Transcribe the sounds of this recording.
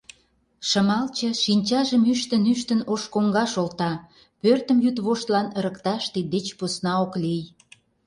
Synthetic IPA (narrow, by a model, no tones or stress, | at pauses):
ʃəmɑlt͡ɕə̆ʃinʲt͡ɕɑʒəmyʃt̪ənyʃt̪ə̆noʃkoŋɡɑʃolt̪ɑ | pørt̪ə̆mjyt̪βoʃt̪lɑnəɾə̆kt̪ɑʃt̪id̪et͡ɕposnɑoklij